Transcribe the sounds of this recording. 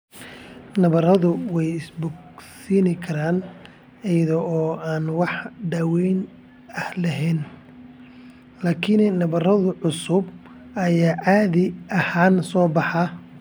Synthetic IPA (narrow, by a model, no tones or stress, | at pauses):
nɐβɐrɐðʊwɛjɪsbʊɡsiːnɪkʰɐɾaːn | ɛjɐðɔʔɔːaːnwɑħɖaːwɛjn | ɐhlɐɦɛːn | laːkʰɪnnɐβɐrɐðʊʕʊsʊb | ɐjaːʕaːðɪʔɐhaːnsɔːbɑħɑ